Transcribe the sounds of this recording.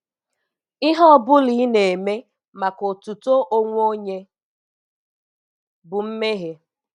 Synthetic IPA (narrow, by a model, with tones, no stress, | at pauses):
ɪ˦ɦɔ˦˨bʊ˦li˨˦ne˨me˦ | ma˨ko˨tu˨to˦ʔo˦ŋʷ˦o˦ɲe˦ | bʊ˨m̩˦me˦ɦe˨